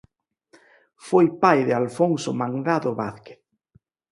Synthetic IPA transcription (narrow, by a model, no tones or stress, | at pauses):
fojpajðealfoŋsomãŋɡaðoβaθke̥θ